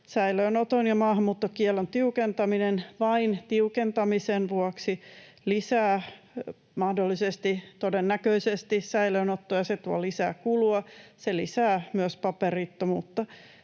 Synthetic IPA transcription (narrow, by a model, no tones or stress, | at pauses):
sæiløːnot̪onjɑmɑːhɑmːuːt̪ːokiɛlːont̪iukent̪ɑminenʋɑint̪iukent̪ɑmisenʋuɑksi | lisæː | mɑhdolːisest̪it̪odenːækøisest̪isæiløːnot̪ːojɑset̪uɑlisæ̰ːkuluɑselisæːmyøspɑperiːt̪ːomṵːt̪ːɑ